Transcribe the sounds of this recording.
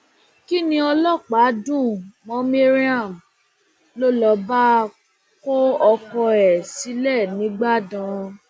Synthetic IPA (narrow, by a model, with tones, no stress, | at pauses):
ki˦nĩ˧ɔ˧lɔ˦˨k͡pa˨˦dũ˦˨mɔ̃˨˦mi˦ɾi˦a˦˨m | lo˦lɔ˧˦ba˦ | ko˦ɔ˧kɔ˧ɛ˨si˨˦lɛ˦˨nĩ˨˦ɡ͡ba˦˨dã˨˧